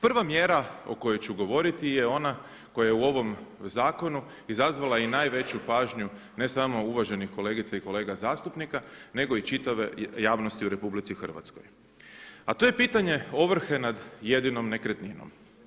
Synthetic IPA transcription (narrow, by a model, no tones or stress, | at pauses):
pr̩ʋamje̞ɾao̞̰ko̞jojt͡ɕuɡo̞ʋo̞ɾit̪ije̞o̞na | ko̞jajeuo̞ʋo̞mzaːko̞nu | izazʋalˠainaːjʋe̞t͡ɕupaːʒɲu | ne̞samo̞uʋaʒe̞nixko̞le̞ːɡit̪saiko̞le̞ːɡazaːst̪upnikane̞ɡo̞it͡ʃit̪aʋe̞jaːʋno̞st̪iuɾe̞publit̪sixr̩ʋa̰t̪sko̰j | at̪oːje̞piːt̪aɲe̞o̞ʋr̩xe̞nad̪je̞d̪ino̞mne̞kɾet̪nino̰m